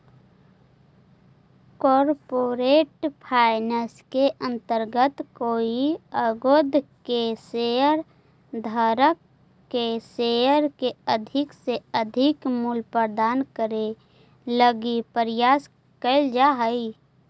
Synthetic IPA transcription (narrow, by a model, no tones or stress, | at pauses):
kɔːɾpoɾeːʈpʰaɪnəskeʔə̃nt̪əɾɡət̪koːiəɡod̪ʱkeseəɾ | d̪ʱəɾəkː | eseəɾkeəd̪ʱɪkseəd̪ʱɪkmulpəɾd̪aːnkəɾe | ləɡipəɾɪjaːs | kəɪld͡ʒaɦəi